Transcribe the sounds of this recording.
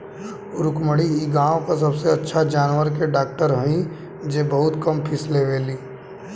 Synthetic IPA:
ʊɾʊkməɽiiɡãːwkəɾs̬ɐbseɐtːʃʰad͡ʒaːnwəɾkeɖaːk̚ʈəɾɦɐɦĩ | d͡ʒeːbɐɦʊt̪kɐmpʰɪsleːʋeːliː

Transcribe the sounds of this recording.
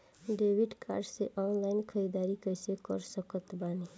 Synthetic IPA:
ɖeːʋɪɖka̰ːɾɖseʔɔːnlaːɪnkʰəid̪aːɾikəjsekə̰ɾsəkət̪baːne

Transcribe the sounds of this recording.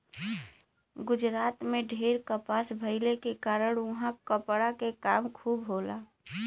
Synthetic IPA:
ɡʊd͡ʒɾaːt̪meɖʱeɾkəpasbʱəɪlekekaːɾəɽ̃ʊɦãkəpɽakekaːmkʰuːbɦolaː

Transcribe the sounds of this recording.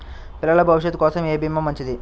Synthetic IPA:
pɪɾɐɭɐbʱɐʋʃɐt̪koːsɐmeːbimːɐmɐɲt͡ʃid̪i

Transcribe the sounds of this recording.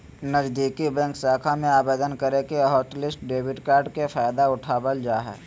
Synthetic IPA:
nəzd̪iːkibɛ̃ːŋksaːkʰamẽaːbeːd̪ənkəɾekeɦɔːʈlɪsʈ̚ɖeːbɪʈkaːɾɖkefaːjd̪aʊʈʰaːbəld͡ʒaːɦɛ̰ː

